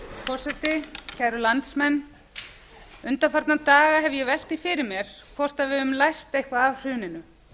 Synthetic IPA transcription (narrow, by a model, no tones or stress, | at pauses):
fɔr̥sɛt̪ɪcʰɛɾʏlant̪smɛnː | ʏnt̪afaɾt̪nat̪aːɣaɦɛvjɛvɛl̥t̪ifɪɾɪɾmjɛɾ̥kʰvɔr̥t̪avɪðʏmlajr̥t̪ejhkvaavr̥ʏːnɪnʏ